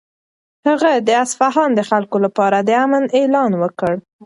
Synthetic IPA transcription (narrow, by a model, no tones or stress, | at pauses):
haɣad̪əasfaɦɑnd̪əxalkolapɑɾad̪əamənelɑnwəkəɽ